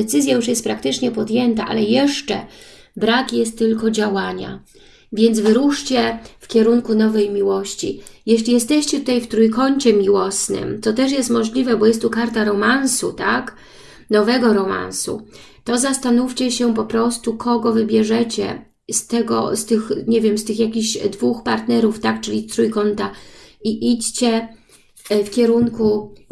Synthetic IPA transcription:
ɛt̪sɘzʲjajuʂjɛst̪̚pɾak̚t̪ɘt͡ʂɲɛpɔd̪ʲjɛnt̪aʔa̰lɛjɛʂt͡ʂɛ̰ | bɾakjɛst̪ːɘlkɔd͡ʑawaɲa̰ | vʲjɛnd̪zvɘɾuʂt͡ɕɛfkʲɛɾuŋkunɔvɛjmʲiwɔɕt͡ɕḭjɛɕlʲijɛst̪ɛɕt͡ɕɛt̪ut̪ajft̪ɾujkɔɲt͡ɕɛmʲiwɔsnɘ̰mt̪ɔt̪ɛʂ̬jɛst̪mɔʐlʲivɛbɔjɛst̪ːukaɾt̪aɾɔmansut̪ak | nɔvɛɡɔɾɔma̰nsṵ | t̪ɔzast̪anuft͡ɕɛɕɛp̬ɔpɾɔst̪ukʰɔɡɔvɘbʲjɛʐɛt͡ɕɛ̰ | st̪ɛɡɔ̰st̪ɘxɲevʲjɛmst̪ɘxjakʲiʑd̪vuxpaɾt̪nɛɾuft̪akt͡ʂɘlʲit̪ɾujkɔnt̪aiʔit͡ɕt͡ɕɛ | fkʲɛɾuŋku

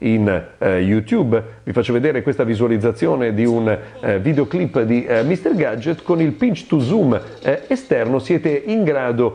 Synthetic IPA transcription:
injut̪jubvifat͡ʃːoved̪eːɾekwest̪avizualid̪zːat̪sːjoːned̪iunvid̪eoklipːd̪imist̪erɡad͡ʒːet̪konilpint͡ʃt̪uzum | est̪ɛrnosjɛːt̪eʔiŋɡɾaːd̪o

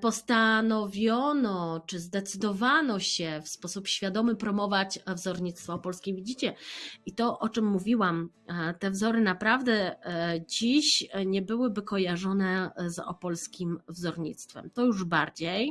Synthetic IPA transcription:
pɔst̪anɔvʲjɔnɔt͡ʂɘzd̪ɛt̪sɘd̪ɔvanɔɕɛfspɔsupɕfʲjad̪ɔmɘpɾɔmɔvat͡ɕvzɔɾɲit̪st̪fɔpɔlskʲevʲid͡ʑit͡ɕɛit̪ɔʔɔt͡ʂɘmːuvʲiwam | t̪ɛvzɔɾɘnapɾavd̪ɛ | d͡ʑiɕɲɛbɘwɘbɘkɔjaʐɔnɛzɔ̰pɔlskʲimvzɔɾɲḭt̪st̪fɛ̰mt̪ɔjuʐbaɾd͡ʑej

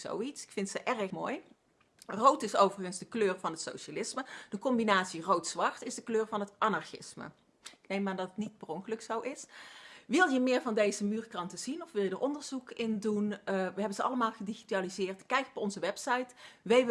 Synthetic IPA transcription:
so̰witsɪ̥kfɪntsəʔɛrəxmoːj | rowtɪsowvərɣənzdəkløːrvɑnɦətso̰wʃalɪsməd̥əkɔmbinaːtsirowtsʋɑrtɪzdəkløːɹvɑnɦətʔanɑɹxɪ̰smə̰ | ɪknejmaːndɑtətnid̚b̥rɔŋkələksowʔɪsʋɪlˠjəmɪːɹvɑndejzəmyːrkrɑntəzinɔfʋɪlˠjədaːɹʔɔndəɹz̥ukɪndunʋəɦɛbənzəɑ̰ləmaːlˠɣədixitaːlizɪːrtkɛjkɔpɔnzəʋɛpsɑjtʋej

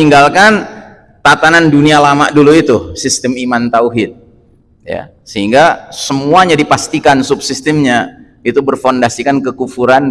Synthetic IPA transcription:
iŋɡalkan | t̪at̪anandunialama̰ʔduluit̪usist̪əmimant̪auɦɪt̪̚ | ja̰ | səɦiŋɡasəmuaɲadipast̪ikansup̚sist̪əmɲa | it̪ubərfondasikankəkufuɾan

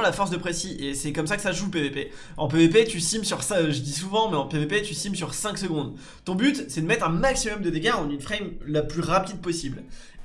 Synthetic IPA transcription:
lafɔʁs̬d̪əpχesiʔesɛkɔmsakə̥saʒup̬evepe | ɑ̃p̬evepet̪ysimsyʁsɛ̃ʒəd̪isuvɑ̃mɛɑ̃pevepet̪ysimsyʁsɛ̃ksəɡɔ̃d̪ | t̪ɔ̃byt̪sɛd̪əmɛt̪χɛ̃maksimɔmd̪əd̪ekaʁɑ̃nynfχɛjmlaplyʁapid̪̚pɔsibl

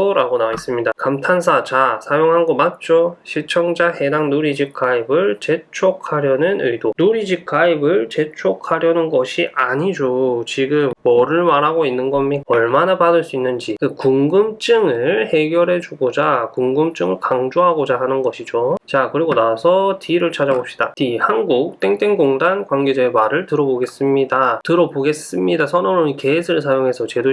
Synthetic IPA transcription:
oɾaɡonais͈ɯmɲidakamtʰansʰat͡ɕasʰajoŋɦanɡʌmat̚t͡ɕ͈oɕʰiɭt͡ɕʰʌŋd͡ʑahe̞daŋnuɾid͡ʑikʰaibɯɭt͡ɕe̞t͡ɕʰok̚ʰaɾjʌnɯnɯdonuɾid͡ʑikʰaibɯɭt͡ɕe̞t͡ɕʰokʰhaɾjʌnɯnɡʌɕʰiʔaɲid͡ʑot͡ɕiɡɯmːʌɾɯɭmaɾɦaɡoinːɯnɡʌmiʌɭmanapadɯɭs͈uinːɯnd͡ʑikɯkuŋɡɯmt͡ɕ͈ɯŋɯɭhe̞ɡjʌɾɦe̞d͡ʑuɡod͡ʑakuŋɡɯmt͡ɕ͈ɯŋɯɭkaŋd͡ʑoɦaɡod͡ʑaɦanɯnɡʌɕʰid͡ʑot͡ɕakɯɾiɡonasʰʌtʰiɾɯɭt͡ɕʰad͡ʑaɡopɕ͈i̥d̥atihanɡuk̚t͈e̞ŋt͈e̞ŋɡoŋdankwanɡed͡ʑʌemaɾɯɭtɯɾʌboɡe̞s͈ɯmɲidatɯɾʌboɡe̞s͈ɯmɲidasʰʌnʌnoɲikeːsʰɯɭs̬ʰajoŋɦe̞sʰʌt͡ɕe̞do

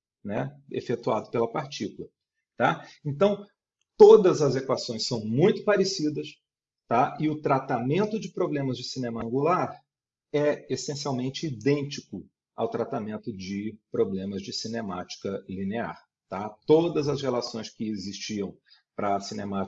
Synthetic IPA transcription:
nɛḛfet̪uad̪ʊpelɐpaɾt͡ʃikulɐ | t̪aẽnt̪ɐ̃w̃ | t̪od̪ɐzɐzekwasõj̃sɐ̃w̃mũj̃t̪ʊ̥paɾesid̪ɐs | t̪aɪʊt̪ɾat̪amẽnt̪ʊd͡ʒɪpɾoblẽmɐzd͡ʒɪsinẽmɐɐ̃ŋɡulaɾ | ɛesẽsiawmẽnt͡ʃɪid̪ẽnt͡ʃikʊ | a̰wt̪ɾat̪amẽnt̪ʊd͡ʒɪpɾoblẽmɐzd͡ʒɪsinema̰t͡ʃi̥kɐlinea̰ɾ | t̪at̪od̪ɐzɐshelasõj̃skɪezist͡ʃiɐ̃w̃ | pɾɐsinema

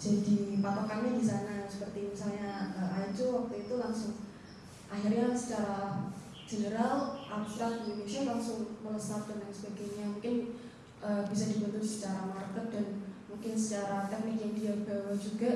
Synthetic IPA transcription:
d͡ʒ̥adipat̪akalɲadisanasə̥pərt̪inisalɲaəad͡ʒowak̚t̪uit̪ulaŋsʊŋ | ʔaxɪrɲasə̥t͡ʃaɾa | d͡ʒ̥ənəɾalʔabst̪ɾak̚indonusialaŋsʊŋmələsak̚d̪ənd̪aŋsəbaɡajɲamuŋkɪn | ʔəbisadibənt̪ʊsə̥t͡ʃaɾamarkət̪̚danmuŋkɪnsət͡ʃaɾat̪ɛk̚nɪk̚jaŋdiabawad͡ʒuɡa

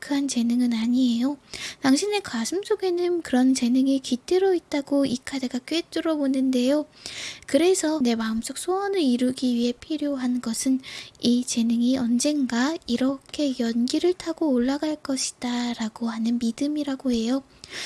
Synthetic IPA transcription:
kʰɯant͡ɕe̞nɯŋɯnaɲie̞jotaŋɕʰinekasʰɯms͈ʰoɡe̞nɯnkɯɾʌnt͡ɕe̞nɯŋikit͈ɯɾʌit̚t͈aɡoikʰade̞ɡak͈et͈ɯɾʌbonɯnde̞jokɯɾe̞sʰʌne̞maɯms͈ʌk̚s͈ʰoʌnɯɾiɾɯɡiɥiɦe̞pʰiɾjoɦanɡʌsʰɯnit͡ɕe̞nɯŋiʌnd͡ʑe̞nɡaiɾʌkʰe̞jʌnɡiɾɯɭtʰaɡoːɭːaɡaɭk͈ʌɕʰi̥d̥aɾaɡ̥ohanɯnmidɯmiɾaɡoɦe̞jo

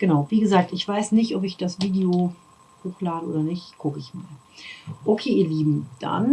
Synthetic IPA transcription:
ɡ̥ənaʊviːɡəzaːk̚tɪçv̥aɪsnɪçtʔɔpɪçd̥asviːdeo | hoːxlaːdəʔo̰ːdɐnɪçtɡ̥ʊkəɪçma̰ːl | ʔokʰeːiːɐliːbm̩d̥a̰n

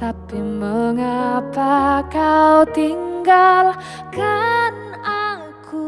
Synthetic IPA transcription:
t̪apiməŋapakawt̪iŋɡal | kan | aŋku

